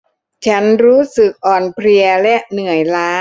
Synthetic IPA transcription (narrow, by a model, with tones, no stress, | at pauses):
t͡ɕʰa˦˥nɾuː˦˥sɯ˨˩k̚ʔɔː˨˩npʰɾi˧ɐlɛ˦˥ʔnɯ˨˩əjlaː˦˥